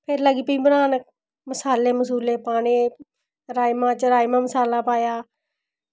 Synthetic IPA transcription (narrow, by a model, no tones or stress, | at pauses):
pʰeɾləɡiːpiĩːbəɾaːnək̚ | məsaːleːməs̬uːleːpaːɽ̃eː | ɾaːimãːt͡ʃəɾaːjmaːməsaːlaːpaːjaː